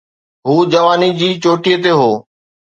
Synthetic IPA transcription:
ɦuːd͡ʑɐʋaːnid͡ʑiːt͡ɕoːʈiːət̪eɦoː

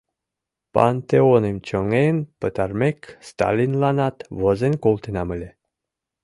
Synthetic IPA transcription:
pa̰nt̪eonemt͡ɕəŋenpət̪armekst̪a̰lʲinlanɑt̪vəzenkolt̪enɑməlʲe

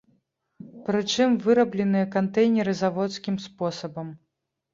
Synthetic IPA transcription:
pɾɨt͡ʂɨmvɨɾɐblʲɛnɨjɐkant̪ɛjnʲɛɾɨzavɔt̪skʲimspɔsɐbɐm

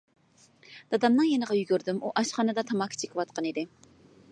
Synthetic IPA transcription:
d̪̥ɑd̪ɑmnɨŋjenəʁɑjyɡʲyɾd̪ymʔuʔɑʃχɑnɨd̪ɑt̪ʰɑmɑkʲʰːi̥t͡ʃʰe̥kʲʰɪwɑt̪̚qʰɑnid̪ɪ

